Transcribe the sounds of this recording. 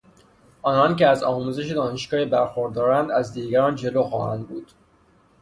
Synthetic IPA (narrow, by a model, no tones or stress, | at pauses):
ʔɒːnɒnceæzɒːmuːze̞ʃed̪ɒːneʃɡɒːhibæɾxoɾd̪ɒːɾænd̪æzd̪iːɟæɾɒːnd͡ʒe̞loːxɒ̰ːhæ̰nd̪̚buːd̪̥